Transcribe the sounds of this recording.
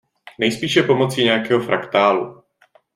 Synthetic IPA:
nɛjspiːʃɛpo̞mo̞t͡siːɲɛjakɛːɦo̞fɾʔakt̪aːlṵ

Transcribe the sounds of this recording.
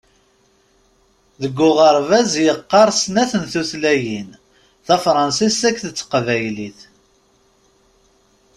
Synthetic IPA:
ðəɡːʊʁəɾˤvæzjəqːɑɾˤsnæθənθuθlæjin | θæfɾˤɑnsisækːθət͡sːqvæjliθ

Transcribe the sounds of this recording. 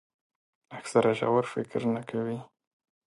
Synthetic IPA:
aksaɾaʒa̰waɾfɪkɾnakʰawi

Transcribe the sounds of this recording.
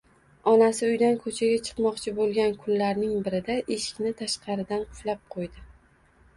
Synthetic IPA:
ɒnasɪʊjd̪ankʰɵt͡ʃʰaɡʲat͡ʃʰɨ̥qmɒqt͡ʃʰɪbolˠɡʲankʰʊnlaɾnɪŋbɪɾɪd̪aʔeʃɪ̥kʲnɪt̪ʰaʃqʰɑɾɪd̪anqʰʊ̥flap̚qʰojd̪ɪ

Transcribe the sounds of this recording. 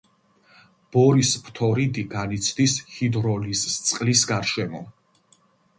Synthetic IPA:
b̥ɔɾispʰt̪ʰɔɾid̪iɡanit̪sʰd̪ishid̪ɾɔlizt̪sʼqʼlisɡaɾʃɛmɔ

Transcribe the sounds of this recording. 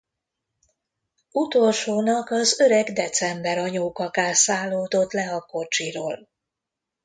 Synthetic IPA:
ut̪olʃoːnɒkɒzøɾɛɡd̪ɛt̪sɛmbɛɾɒɲoːkɒkaːsaːlːoːd̪o̞t̪lɛɒko̞t͡ʃiɾoːl

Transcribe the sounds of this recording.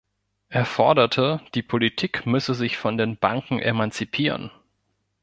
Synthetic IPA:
ʔeːɐfɔɐdɐtʰəd̥iːpʰolitʰiːkmʏsəzɪçfɔndeːnbaŋkŋ̩ʔḛmant͡sipʰiːʁ̞ə̰n

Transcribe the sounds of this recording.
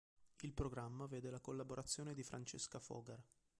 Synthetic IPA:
ilpɾoɡɾamːaveːd̪elakolːaboɾat̪sːjoːned̪ifɾʔant͡ʃeskafɔ̰ːɡar

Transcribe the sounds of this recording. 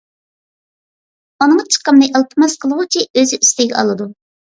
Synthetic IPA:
unɨŋɑt͡ʃʰə̥qəmnɨjʔɑlˠt̪ʰəmɑsqʰəlˠəʁʊt͡ʃʰʲiøzɪʔyst̪ɛɡʲɛ̰ɑ̰lˠɨd̪u

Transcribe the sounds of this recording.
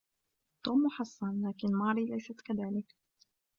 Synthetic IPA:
t̪ːuːmːʊħɑsˤːɑnlaːkɪnmɑːɾilajsat̪kaðaːlɪk

